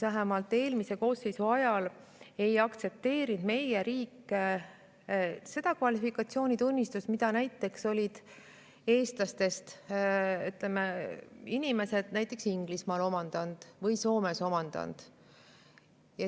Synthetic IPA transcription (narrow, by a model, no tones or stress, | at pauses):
væɦemɑlt̪ːˑe̞ːlmise̞ko̞ːsːe̞jsuɑjɑle̞jɑkt̪se̞p̚t̪e̞ːɾind̪me̞jeɾiːkːe | se̞d̪̥ɑkvɑlifikːˑɑt̪sio̞ːnʲit̪unʲːist̪usmid̪ɑnæjt̪ːe̞kso̞lʲid̪̥ | e̞ːst̪lɑst̪e̞st̪ | yt̪lemeinime̞se̞d̪̥næjt̪ːˑe̞ksiŋɡ̥lismɑːlo̞mɑnd̪̥ɑnd̪̥vɤjso̞ːme̞so̞mɑnd̪̥ɑ̰nd̪̥ | jɑ